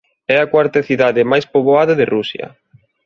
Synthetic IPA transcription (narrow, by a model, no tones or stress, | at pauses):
ɛakwaɾt̪aθiðaðɪmajspoβoaðɐðɪrʔusjɐ̰